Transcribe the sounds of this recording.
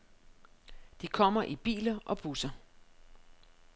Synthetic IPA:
d̥ikʰɒ̽m̰ɐʔib̥ḭːlɐʔɒ̽b̥usɐ

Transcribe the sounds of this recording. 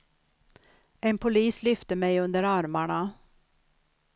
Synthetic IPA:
eːmpʰʊliːslʏft̪əmæɪʉnd̪əɾɑɾmæɳɑ

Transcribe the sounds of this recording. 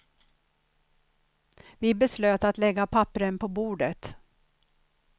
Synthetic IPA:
vɪbɛsløːt̪at̪lɛɡːapʰapɾənpʰɔbuːɖət̪

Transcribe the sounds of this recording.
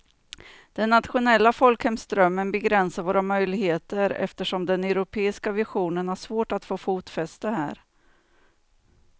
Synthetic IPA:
d̪̥ɛnːat̪ɧʊnɛlːafɔlkhɛmsd̪ɾœmːənbɛɡɾɛnsaɾvoːɾamœjlɪɡheːt̪əɾɛ̰ft̪əʂɔmd̪ɛnɛʊɾʊpʰeːɪskavɪɧuːnənhaʂvoːʈat̪foːfuːt̪fɛst̪əɦæ̰ːɾ

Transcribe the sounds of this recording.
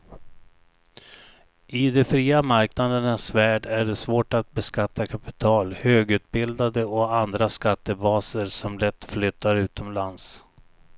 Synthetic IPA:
ɪd̪ɛfɾiːamaɾknad̪əɳasvæːɖæɖɛsvoːʈat̪̚bɛskat̪ːakʰapɪ̥t̪ʰɑːlhøːɡʉ̟ːt̪̚bɪld̪ad̪əɔand̪ɾaskat̪ːəbɑːsəɾsɔmlɛt̪ːflʏt̪ːaɾʉ̟ːt̪ʰɔmlans

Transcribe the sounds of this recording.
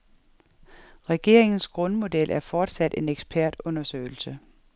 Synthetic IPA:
ʁɛɡ̥e̝ɐe̝ŋn̩sɡ̥ʁɔ̽nmo̝d̥elʔæɐfɒːd̥sæd̥e̝neɡ̥sb̥ʰæɐd̥ɔ̽nɐsø̰ːɪl̩sə

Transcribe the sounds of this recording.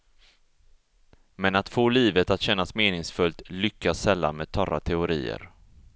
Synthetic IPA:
mɛnat̪foːliːvət̪at̪ɕɛnːasmeːnɪŋsfɵlt̪lʏkːasːɛlːa̰nmɛːd̪̚t̪ʰɔɾat̪ʰɛʊɾiːə̰ɾ

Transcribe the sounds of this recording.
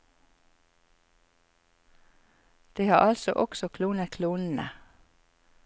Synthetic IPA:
d̪̥iːhɑːʔɑlsɔ̰ʔɔksɔkʰluːnəkʰluːnn̩ə̰

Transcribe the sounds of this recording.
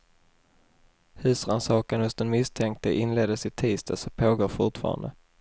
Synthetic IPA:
hʉ̟ːsɾansɑːkənhɵst̪d̪ɛnmɪst̪ʰɛŋk̚t̪əʔɪnleːd̪əsɪt̪ʰiːst̪asɔpʰoːɡoːɾfʊʈfɑ̰ːɾa̰nd̪ə̰

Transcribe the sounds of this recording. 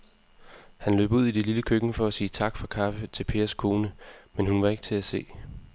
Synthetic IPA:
hænlø̰ːb̥əuð̰ˠid̥ililəkʰøɡ̥n̩fɒ̽æsiːt͡sʰɑ̈ɡ̥fɑ̈kʰɑ̈fət͡sʰe̝lpʰe̝ːɐskʰo̝ːnəmenhunʋɑ̈e̝ɡ̥ə̥t͡sʰe̝æse̝̰ː

